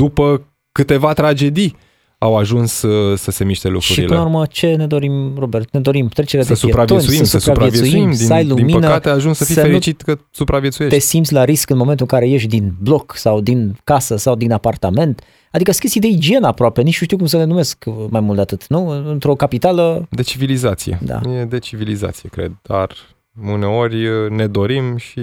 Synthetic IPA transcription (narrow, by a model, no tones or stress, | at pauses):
d̪̥upə | kɨt̪e̞vat̪ɾad͡ʒe̞d̪i | awaʒunsːəse̞miʃt̪e̞̰lṵkʃɾuɾipḭlɨnaurmət͡ʃe̞ne̞d̪o̞ɾimrobert̪ne̞d̪o̞ɾimt̪ɾet͡ʃeɾead̪esupɾavt̪onʲsuiəsupɾavpajetvj̪suimimiəajluimiənəkəaat̪eaʒunsəfiəenit͡ʃit̪kəsupɾavjet̪sujeʃt̪esimt̪sʲlaɾiskɨnmoment̪uɨŋkaɾe̞je̞ʃ̬d̪inblo̞ksawd̪inkasəsawd̪inapart̪ame̞nt̪ | ad̪ikəskʲe̞st̪ijd̪e̞id͡ʒie̞nəapɾoape̞nit͡ʃ̪uʃt̪iwk̬umsəne̞nume̞skmajmuld̪eat̪ɨt̪nuɨnt̪ɾo̞kapit̪aləd̪e̞t͡ʃivilizat̪sijḛd̪a̰jed̪e̞t͡ʃiviliza̰t̪sijḛkɾḛd̪̚d̪̥a̰r | ɨne̞o̞ɾʲne̞d̪o̞ɾimʃi